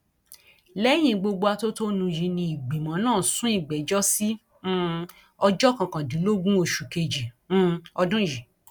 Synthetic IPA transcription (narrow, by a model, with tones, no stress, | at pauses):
lɛ˦j̃ĩ˧ɡ͡bo˧ɡ͡bo˧a˧to˦to˦nũ˧jĩ˧nĩ˧i˨ɡ͡bi˨mã˨˦nãː˦˨sũ˦i˦˨ɡ͡bɛ˨˦d͡ʒɔ˦sĩ˦ | ɔ˧d͡ʒɔ˦kã˨kã˨dĩ˨˦lo˦ɡũ˦o˧ʃu˨ke˧d͡ʒĩ˨˦ | ɔ˧dũ˦˨ji˨